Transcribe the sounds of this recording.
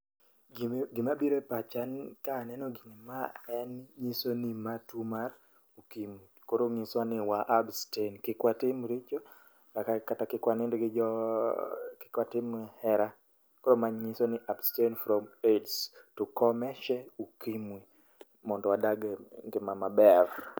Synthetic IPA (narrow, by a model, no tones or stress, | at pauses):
ɡɡɪmabiɾepat͡ʃankaːnɛnoɡɪnɪmaɛnɲisonimatumar | ukimwikoɾoŋiswanɪwaʔabstenkɪkwatɪmɾit͡ʃo | kakakatakɪkwanɪndɡɪd͡ʒɔ | kɪ̥kwatɪmɛhɛɾa | koɾomaɲɲisonɪʔabstenfɾɔmedstukɔmɛʃɛukimwi | mɔndɔwadaɡɛɡɪmamabɛv